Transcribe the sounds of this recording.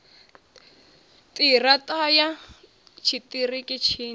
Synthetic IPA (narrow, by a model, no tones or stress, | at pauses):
tʼiratʼaja | t͡ʃʰitʼirikʼɪt͡ʃʰiː